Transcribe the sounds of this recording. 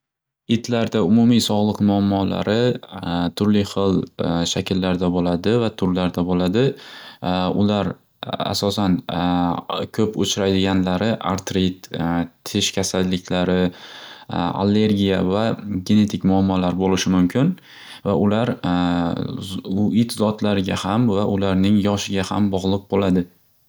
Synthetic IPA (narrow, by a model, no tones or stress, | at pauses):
ɪt̪ʰlaɾd̪aʊmʊmisɒʁlˠɨqmʊamːɒla̰ɾɪ | t̪ʰʊɾlɪχɨlˠʃakʲʰɪlːaɾd̪abolad̪ɪvat̪ʰʊɾlaɾd̪abolad̪ɪ | ʊ̰laɾ | a̰sɒsan | kʲʰɵpʰot͡ʃʰɪɾajd̪ɪɡʲanlaɾɪʔaɾt̪ɾit̪ʰː | ɪʃkʲʰasalːɪkʲʰlaɾɪ | a̰lːe̞ɾɡʲijavaɡʲe̞ne̞t̪ʰɪkʲmʊamːɒlaɾbolɪʃɪmʊmkʲʰɪn | vaʔʊlaɾ | ʊit̪zɒt̪ʰlaɾɪɡʲahamvaʔʊlaɾnɪŋjɒʃɪɡʲahambɒʁlˠɨq̚bolad̪ɪ